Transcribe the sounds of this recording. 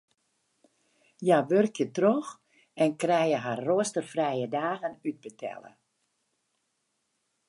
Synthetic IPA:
jaʋørkjətrox | ɛnkrɛjəɦarːoəstərfrɛjədaːɣənyd̚bətʰɛ̰lə̰

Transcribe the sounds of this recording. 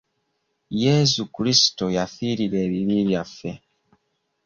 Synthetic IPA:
jesukuɾisi̥to̞jafiːɾiɾe̞ːβiβiβjafːe̞

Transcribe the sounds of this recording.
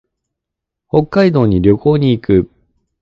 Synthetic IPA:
ho̞kːaid̪o̞ːɲ̟iɾʲjo̞ko̞ːɲ̟iːkɯ̟

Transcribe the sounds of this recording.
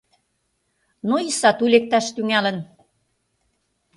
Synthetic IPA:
noisɑt̪ulek̚t̪ɑʃt̪yŋælə̆n

